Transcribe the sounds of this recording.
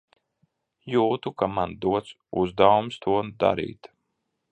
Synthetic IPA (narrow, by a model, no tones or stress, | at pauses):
juːt̪ukamand̪uɔt̪s | uzd̪awumst̪ʰuɔnd̪a̰ɾḭːt̪